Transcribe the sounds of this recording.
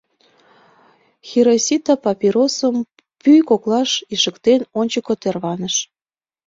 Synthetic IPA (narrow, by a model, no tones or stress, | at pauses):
xʲiɾosʲit̪ɑpɑpʲiɾosəm | pyjkoklɑʃiʃəkt̪enonʲt͡ɕəkot̪erβɑnəʃ